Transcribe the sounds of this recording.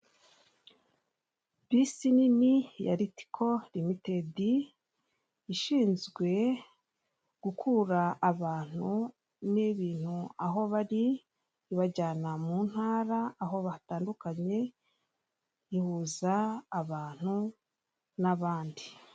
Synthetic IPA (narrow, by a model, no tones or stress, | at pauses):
bisininija̰ɾiti̥kʰo̞ɾimite̞di | ʃiːnzɡwe̞ | ɡ̥ukʰuɾaːβaːn̥hu | niβiːn̥huaɦo̞βaɾiː | βaɟaːnamuːn̥haːɾaːɦo̞βataːndukaɲe̞ | ihuzaːβaːn̥hu | naβaːndi